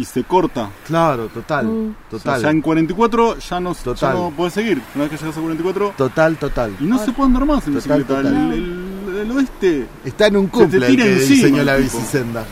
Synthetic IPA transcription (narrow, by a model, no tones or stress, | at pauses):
isekoɾt̪aklaɾot̪ot̪alt̪oalʃaeŋkwaɾent̪̬ikwat̪ɾoʃanost̪otʃaalopoðes̬eɣiɾunaβekeʃeɣasakwaɾent̪ikwat̪ɾot̪ot̪alt̪ot̪alinosepweðend̪aɾmasenotsalt̪oeleloest̪e | eht̪aenũŋkumt̪leiɾeðisisenɲolaβisisend̪a